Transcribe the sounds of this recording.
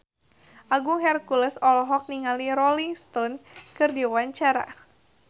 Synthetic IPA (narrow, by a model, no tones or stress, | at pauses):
ʔaɡuŋɦɛrkuləsɔlɔɦɔk̚niŋaliɾɔliŋst̪ɔnkɨrdiwaɲt͡ʃaɾa̰